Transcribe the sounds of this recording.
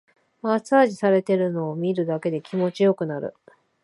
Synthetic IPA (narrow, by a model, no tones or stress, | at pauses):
masaːʑisaɾe̞t̪e̞ɾɯ̟no̞ːmʲiɾɯ̟d̪ake̞d̪e̞kʲimo̞t͡ɕijo̞kɯ̟naɾɯ̟̰